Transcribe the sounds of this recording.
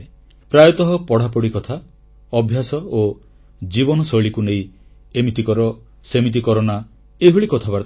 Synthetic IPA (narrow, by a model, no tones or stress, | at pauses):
pɾajɔt̪ɔɦɔpɔɽ̤apɔɽikɔt̪ʰa | ɔbʱjasɔo | d͡ʒibɔnɔsɔɭikuneĩ | emit̪ikɔɾɔ | semit̪̬ikɔɾɔna | eɦuɭikɔt̪ʰabaɾ